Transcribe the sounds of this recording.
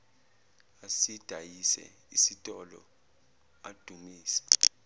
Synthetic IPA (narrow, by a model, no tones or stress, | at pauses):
asid̥ʱajisɛ̰ | isitʼɔlɔ̰ | ad̥ʱumiːsɛ̥